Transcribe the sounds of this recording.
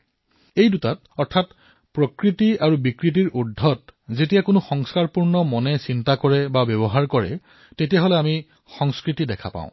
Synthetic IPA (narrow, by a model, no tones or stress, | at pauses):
ejdutat | ɔɹtʰat | pɹokɹitiaɹubikɹit̬iɹudʱːɔt̚zetijakʊnʊxɔŋskaɹpuɹnɔmɔnɛsintakɔɹɛbabjɔbɔɦaɹkɔɹɛ̰ | tetijaɦolɛami | xɔŋskɹitidɛkʰa̰pã̰ʊ̃